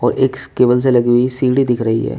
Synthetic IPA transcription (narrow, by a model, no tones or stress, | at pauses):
ɔːɾʔeːkskeːʋəls̬elɐɡuisiːɽid̪ɪkʰɾɐɦḭɦɛ̰ː